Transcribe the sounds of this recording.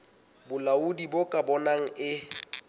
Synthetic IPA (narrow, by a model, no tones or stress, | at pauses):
bʊlaʊdibokʼabɔnaŋ̩ɪ